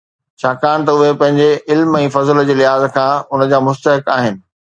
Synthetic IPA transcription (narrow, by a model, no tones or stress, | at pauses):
t͡ɕʰaːkaːɽ̃t̪ɐʊɦepɐ̃ɦɪ̃ɲd͡ʑeɪlmɛ̃ːfɐzld͡ʑeːlɪɦaːzkʰãːʊnə̆d͡ʑaːmʊst̪əɦɪkaːɦɪnɪ̆